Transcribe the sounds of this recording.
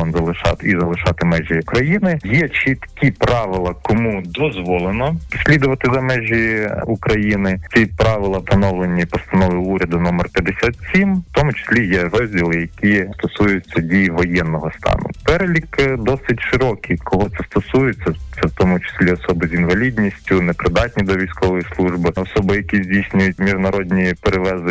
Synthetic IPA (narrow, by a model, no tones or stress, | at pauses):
ɔnzɐlˠɪʃɑ̰t̪izɐlˠɪʃɑt̪ɪmɛʒʲiʊkɾɐjinɪjɛt͡ʃit̪kʲipɾɑʋɪlˠɐkɔmud̪ɔzʋɔlˠenɔsʲlʲid̪ʊʋɐt̪ɪzɐmɛʒʲiukɾɐjinɪt͡sʲipɾɑʋɪlˠɐt̪ɐnɔwlˠenʲːipɔst̪ɐnɔʋɪuɾʲɐd̪ʊnɔmɐrpʲjɐd̪esʲat̪sʲimwt̪ɔmʊt͡ʃɪ̥sʲlʲijɛɾɔzʲdʲilˠɪjɐkʲist̪ɔsujʊt͡sʲːɐdʲijʋɔjɛnːɔɦɔst̪ɑ̰nʊ̰pɛɾelʲikd̪ɔsɪtʲʃɪɾɔkʲikʰɔɦɔt̪sɛst̪ɔsujɪt͡sʲːɐt̪sɛwt̪ɔmʊt͡ʃɪ̥sʲlʲiɔsɔbɪzinʋɐlʲidʲnʲisʲtʲʊnɛpɾɪd̪ɑt̚ʲnʲid̪ɔʋʲijsʲkɔʋɔjislˠuʒbɪɔsɔbɪjɐkʲizʲdʲijsʲnʲʊjʊt̚ʲmʲiʒnɐɾɔdʲnʲipeɾeʋɛzɪ